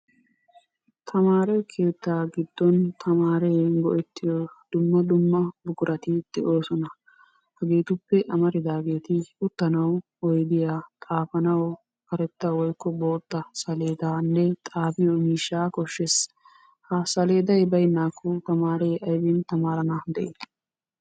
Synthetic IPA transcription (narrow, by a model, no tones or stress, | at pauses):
t̪ʰɐmaːɾɛkʰe̞ːt̪ːaːɡɪd̪ːɔnt̪ʰɐmaːɾɛːɡɔʔɛt̪ːɪjɔd̪̥ʊmːɐd̪ʊmːɐbʊɡʊɾʔɐt̪ɪd̪̥ɛʔo̞ːsɔnɐ | hɐɡe̞ːt̪ʊpːɛʔɐmɐɾɪd̪aːɡe̞ːt̪ɪʊt̪ːɐnɐw | ɔjd̪ɪjaːt̪ʼaːfɐnɐw | kɐɾɛt̪ːɐwɔjkːɔbo̞ːt̪ːɐsɐle̞ːd̪aːnːɛt̪ʼaːfɪjɔmiːʃːaːkɔʃːes | hɐsɐle̞ːd̪ɐjbɐjnaːkːʊt̪ɐmaːɾɛʔɐjbɪnt̪ɐmaːɾɐnad̪ɛʔeː